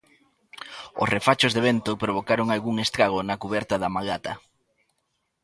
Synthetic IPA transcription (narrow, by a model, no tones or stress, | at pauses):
o̰srefat͡ʃozðeβent̪ʊpɾoβ̞okaɾoŋalɣuŋest̪ɾaɣ̞onɐkuβɛɾt̪ɐðɐmaɣat̪ɐ